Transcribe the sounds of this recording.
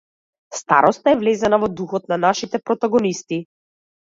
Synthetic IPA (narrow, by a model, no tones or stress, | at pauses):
st̪a̰ɾɔst̪aɛvlɛzanavɔd̪uxɔt̪̚nanaʃit̪ɛpɾɔt̪aɡɔnist̪i